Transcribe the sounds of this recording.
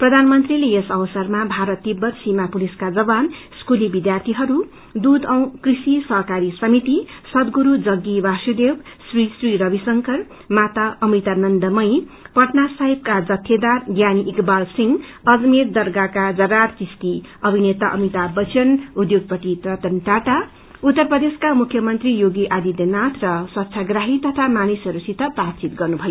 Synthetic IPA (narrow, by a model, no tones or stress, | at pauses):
prʌd̪ʱanmʌnt̪rilejesʌwʌsʌrmabʱaɾʌt̪ːibʌrsimapuliskad͡zʌban | skulibid̪jart̪ʰiɦʌɾu | d̪ud̪ʌw̃krisisʌɦkaɾisʌmit̪isʌd̪ɡuɾud͡zʌɡːibasud̪ewsrisriɾʌbisʌŋkʌr | mat̪aʌmit̪anʌnd̪ʌmʌjpʌʈnasaɦib̚kad͡zʌt̪ʰːjed̪arɡjaniʔikbalsiŋɡʌd͡zmeɾd̪ʌɾɡakad͡zʌrartist̪iʌbʱinet̪aʔʌ̰mit̪abʌt͡sʌnud̪joɡ̚pʌʈit̪rʌt̪ʌnʈaʈa | ut̪ːʌrprʌd̪eskamukʰjʌmʌnt̪rijoɡiʔad̪id̪enat̪ʰrʌsʌt̪ːsʰaɡɾaɦit̪ʌt̪ʰamanisʌɾusit̪ʰːʌprat̪t͡sit̪ɡʌrnubʱʌjo